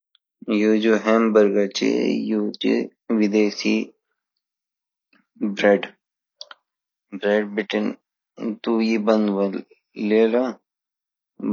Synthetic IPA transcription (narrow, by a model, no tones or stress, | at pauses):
jod͡ʒoɦɛːmbəɾɡat͡ʃḛjoːt͡ʃḭ | ʋid̪eːsi | bɾeɖ | bɾeːɖbiʈin | t̪uːjibɐ̃nd̪ʋɐlː | eːla